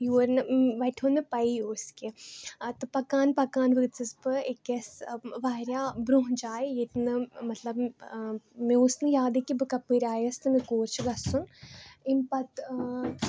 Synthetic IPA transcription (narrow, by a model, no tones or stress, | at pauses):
juːɾnɨʋɐʈʰɦonɨpɐioːsket̪ɨpɐkaːnpɐkaːnʋɨɡt̪t͡sɨsbɨekːesʋaːɾjaːbɾuɦnd͡ʒaːejet̪nɨmɐt̪lɐb | mẽosnɨjaːd̪ekibɨkɐpːɨɾʲaːjɐst̪ɨmẽkoːɾt͡ʃʰɡɐsuninpɐt̪